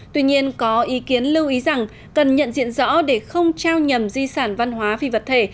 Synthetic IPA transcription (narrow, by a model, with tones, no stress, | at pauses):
t̪wi˧ɲi˧ənkɔ˨˦ʔi˨˦ki˨˦ənlɨ˧wʔi˨˦za˨˩ŋ | kə˨˩nɲə̰˧˨nzḭ˧˨ənzɔ̰˧˥ɗe˧˩xə˧wŋ͡mt͡ɕaː˧wɲə˨˩mzi˧saː˧˩nva˧nɦwaː˨˦vi˧˩və˨˩t̚t̪ʰe˧˩